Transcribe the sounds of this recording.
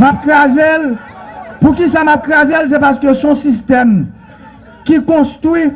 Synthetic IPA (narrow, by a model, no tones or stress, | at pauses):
map̚kʁazel | pukisamap̚kʁazels̬epaskøsɔ̃sist̪ɛm | kikɔ̃st̪ʁi